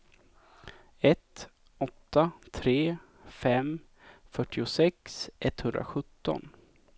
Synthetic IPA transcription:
ɛt̪ | ɔt̪ːat̪ʰɾeː | fɛm | fœʈːɪʊsɛksʔɛt̪ːhɵnd̪ɾa̰ɧɵt̪ːɔ̰n

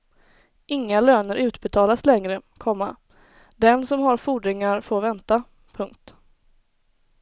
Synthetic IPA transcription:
ɪŋːaløːnəɾʉ̟ːt̪bɛt̪ʰɑːlaslɛŋɾəkʰɔmːa | d̪ɛnsɔmɦaɾfuːɖɾɪŋaɾfoːɾvɛnt̪a | pʰɵŋk̚t̪

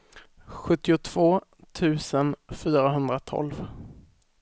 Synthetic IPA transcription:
ɧɵt̪ːɪʊt̪ʰv̥oːt̪ʰʉ̟ːsənfyːɾaɦɵnd̪ɾat̪ʰɔ̰lv

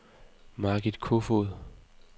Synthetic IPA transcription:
mɑɡ̥id̥kʰofoðˠ

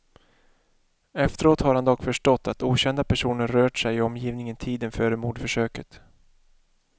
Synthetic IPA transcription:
ɛft̪əɾoːt̪haɾhand̪ɔkfœʂʈɔt̪ːat̪uːɕɛnd̪apʰæʂuːnəɾɾœːʈʂɛjɪɔmjiːvnɪŋənt̪ʰiːd̪ənfœːɾəmuːɖfœʂøːkət̪

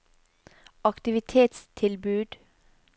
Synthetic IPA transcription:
ɑkt̪ɪʋɪt̪ʰeːt̪st̪ʰɪlbʉːd̪̥

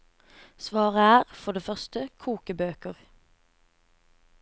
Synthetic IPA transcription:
sʋɑːʁəæːʁfɔd̪eːfœʁst̪əkʰuːkəbøːkəʁ

